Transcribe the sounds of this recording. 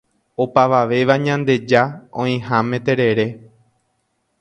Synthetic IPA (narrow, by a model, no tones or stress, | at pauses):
o̞paʋaʋe̞ʋaɲãnd̪e̞d͡ʒaõĩɦãmẽt̪e̞ɾe̞ɾe̞